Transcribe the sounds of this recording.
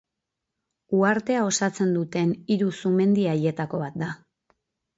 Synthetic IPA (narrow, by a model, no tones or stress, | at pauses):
uaɾt̪e̞ao̞sat͡se̞nd̪ut̪e̞niɾusume̞nd̪iaje̞t̪ako̞β̞at̪̚d̪a